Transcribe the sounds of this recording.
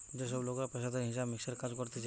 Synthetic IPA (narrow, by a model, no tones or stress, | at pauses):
d͡ʒeʃ̬ɔblokɾapeʃad̪eɦĩsabmikseɾkad͡ʒkɔɾt̪et͡ʃʰ